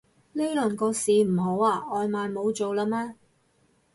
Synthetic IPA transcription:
le˥jlɵ˨˩nkɔː˧siː˨m̩˨˩ɦo˨˥waː˧ʔɔː˧jmaː˨jmo˨˧wt͡ʃo˨wlaː˧maː˥

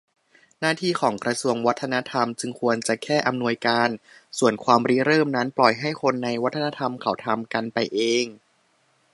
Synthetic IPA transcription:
naː˥˩t̪ʰiː˥˩kʰɔː˩˦ŋkɾa˧su˧əŋwa˦˥t̪ʰːa˧na˦˥t̪ʰa˧mt͡ɕɯ˧ŋkʰu˧ənt͡ɕa˨˩kʰɛː˥˩ʔa˧mnu˧əjkaː˧nsu˨˩ənkʰwaː˧mɾi˦˥ɾɤː˥˩mna˦˥nplɔ˨˩jɦa˥˩jkʰo˧nːa˧jwa˦˥t̪ʰːa˧na˦˧˥t̪ʰa˧mkʰa˩˦wt̪ʰa˧mka˧npa˧jʔeː˧ŋ

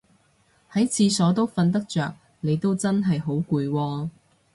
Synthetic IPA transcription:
hɐ˨˥jt͡sʰiː˧sɔː˨˥t̪̬o˥wfɐ˧nt̪̬ɐ˥k̚t͡ʃœː˨k̚ | ne˨˧jt̪o˥wt͡sɐ˥nɦɐ˨jɦo˨˥wkuː˧jwɔː˧

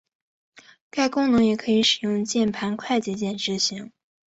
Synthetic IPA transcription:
ka˥˩ɪkʊ˥ŋnɤ˧˥ŋjɛ˨˩kʰɤ˧˥i˧˥ʂɻ̩˨˩jʊ˥˧ŋt͡ɕjɛ˥˩npʰa˧˥nkʰwa˥˩ɪt͡ɕjɛ˧˥t͡ɕjɛ˥˩nʈ͡ʂɻ̩˧˥˩ɕi˧˥ŋ

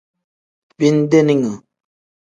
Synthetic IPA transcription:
bi˦n˦de˦ni˦ŋə˨

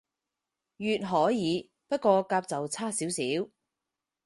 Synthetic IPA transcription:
jyː˨t̚ɦɔː˨˥jiː˨˧ | pɐ˥t̚kɔː˧kaː˧p̚t͡sɐ˨wt͡sʰaː˥siː˨˥wsiː˨˦˥w

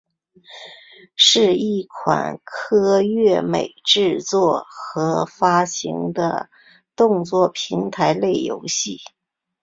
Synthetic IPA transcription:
ʂɻ̩˥˧i˥˩kʰwa̰˨˩nkʰɤ˥ɥɛ˥˩mḛ˨˩ɪʈ͡ʂɻ̩˥˧t͡swɔ˥˩xɤ˧˥fa˥ɕḭ˧˥ŋd̪ə̰˧ | t̪ʊ˥˧ŋt͡swɔ˥˩pʰi˧˥ŋt̪ʰa˧˥ɪle˥˩ɪjo̰˧˥ʊɕi˥˩

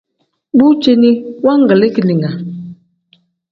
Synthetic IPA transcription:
bu˦t͡ʃe˦ni˦wa˦ŋ˦ɡə˨le˦ki˨li˨ŋa˨

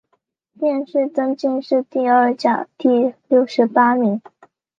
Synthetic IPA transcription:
t̪jɛ˥˧nʂɻ̩˥˩t͡sɤ˥ŋt͡ɕi˥˧ŋʂɻ̩˥˧t̪i˥˧ə˥˩t͡ɕja̰˨˩t̪i˥˧ljo˥˩ʊʂɻ̩˧˥pa˥mi˧˥ŋ

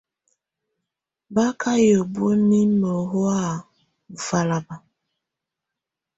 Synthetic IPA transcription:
ba˦kʰa˦jo˨bu˦e˦mi˦mo˨ɦo˦a˦˨ | fa˦la˨ba˨

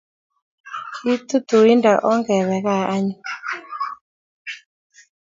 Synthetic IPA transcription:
ki˦t̪u˦t̪u˨i˦nda˨ʔɔ˦ŋɡɛ˨wɛ˨ka˦˨a˦ɲu˦

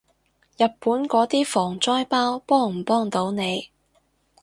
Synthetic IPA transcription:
jɐ˨t̚puː˨˥nkɔː˨˥t̪iː˥fɔː˨˩ŋt͡sɔː˥jpaː˥wpɔː˥ŋm̩˨˩pɔː˥ŋt̪o˨˥wne˨˧j

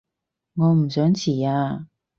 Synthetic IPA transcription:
ŋɔː˨˧m̩˨˩sœː˨˥ŋt͡sʰiː˨˩aː˧

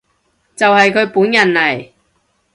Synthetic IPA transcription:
t͡sɐ˨whɐ˨jkʰɵ˨˧˥ɥpuː˨˥njɐ˨nlɐ˨˩j

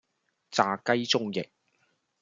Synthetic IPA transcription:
t͡saː˧kɐ˥jt͡sʊ˥ŋjɪ˨k̚

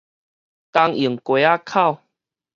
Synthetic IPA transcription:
t̪a˧ŋi˨əŋkwe˨˦a˦kʰa˥˨w

